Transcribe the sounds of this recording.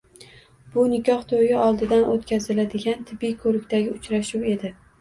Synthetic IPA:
b̥ʊnɪkʲʰɒht̪ʰojɪɒlˠd̪ɪd̪anʔot̪kʲʰazɪlad̪ɪɡʲant̪ʰɪbːɪjkʰɵɾɪkʲt̪aɡʲɪʊt͡ʃɾaʃuwe̞d̪ɪ

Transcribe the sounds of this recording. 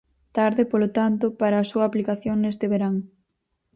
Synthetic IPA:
t̪aɾðɪpolot̪ant̪ʊpaɾɐːsuɐːplikaθjoŋnest̪ɪβeɾaŋ

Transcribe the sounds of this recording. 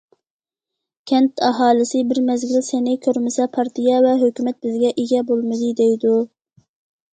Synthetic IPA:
kʲʰɛnt̪ʰɛɦɑːlˠɨsɪbɪɾmɛzɡʲilsenɪkʲʰøɾmɪsɛpʰɑɾt̪ʰijɛvɛɦøkʲymɛt̪̚bɪzɡʲɛʔeɡʲɛbolˠmɨd̪ɨd̪ejd̪u

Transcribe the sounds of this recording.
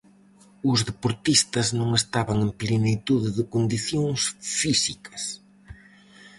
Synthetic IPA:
ʊzðepoɾt̪ist̪ɐznõŋest̪aβɐŋemplenit̪uðɪðɪkond̪iθjõŋsfisikɐs

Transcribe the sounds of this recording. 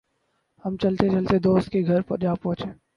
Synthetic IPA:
hɐmt͡ʃɐlt̪et͡ʃɐlt̪ed̪oːst̪̚keɡʱɐɾpɐd͡ʒaːpːɔ̃ːt͡ʃeː

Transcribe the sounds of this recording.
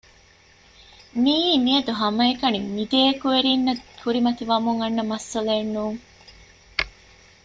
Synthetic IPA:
miːmiɐd̪uɦɐmɐekɐnimid̪eːkuʋeɾinːɐkʰuɾimɐt̪iʋɐmuŋɐnːɐmɐsːɐleːnːuːŋ

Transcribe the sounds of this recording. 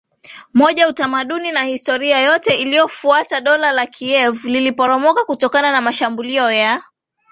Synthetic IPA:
mɔʄautamaɗuninahistɔɾiajɔtɛilijɔfuataɗɔlalakʰiɛvlilipɔɾɔmɔkakutɔkananamaʃambuliɔja

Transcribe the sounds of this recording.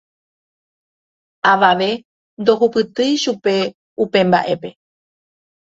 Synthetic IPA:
aʋaʋe̞ | nd̪o̞ɦupɨt̪ɨjʃupe̞ | upẽ̞mba̰ʔe̞pe̞

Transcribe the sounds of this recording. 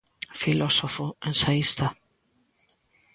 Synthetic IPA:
filɔsɔfoʔɛnsaist̪a

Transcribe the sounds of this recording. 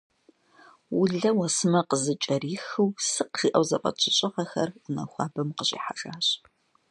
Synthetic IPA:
wʊɮɐwɐsɨmɐqəzɨt͡ʃʼɐɾiːxɨwsɨqʒiːʔɐwzɐqʼɐ̰t͡ʃʰɪɕʼɪʁɐxɐrʊnɐ̰xʷɑːbɐmqəɕʼḭːħaʒʼaːɕʼ

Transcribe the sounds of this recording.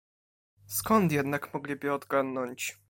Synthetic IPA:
skɔnt̪jɛd̪nakmɔɡlʲibɘɔd̪ɡanːɔɲt͡ɕ

